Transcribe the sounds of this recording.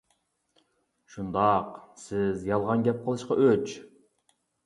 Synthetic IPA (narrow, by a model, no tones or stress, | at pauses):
ʃund̪ɑqsɪzjɑlˠʁɑnɡʲɛp̚qʰɑlˠɯʃqɑʔøt͡ʃ